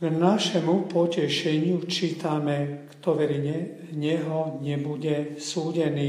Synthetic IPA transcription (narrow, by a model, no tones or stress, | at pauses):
ɡnaʃɛmupɔcɛʃɛɲɪut͡ʃiːt̪amɛkt̪ɔʋɛɾiɛ | ɲɛɦɔɲɛbuɟɛsuːɟɛniː